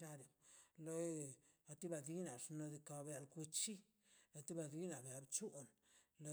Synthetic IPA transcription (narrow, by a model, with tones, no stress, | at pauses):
t͡ʃa˦ɾe˨lo˧a˨t̪i˦ba˧d̪i˦na˨ʂno˧d̪i˧ka˨bja˨lku˧t͡ʃi˦ | la˨t̪i˦ba˧˨d̪i˦na˨be˨a˨bt͡ʃu˦ʔn | lo˧˦